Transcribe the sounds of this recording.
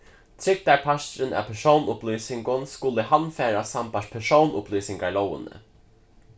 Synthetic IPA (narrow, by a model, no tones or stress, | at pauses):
t̪ʰɾɪk̚t̪aɹpʰaʃt̪ɾɪnæ̰pʰɛʂownʊpliːsɪŋkʊnskʊləɦanːfɛːɾasampaʂpʰɛʂownʊpliːsɪŋkaɹlowɪ̰nə̰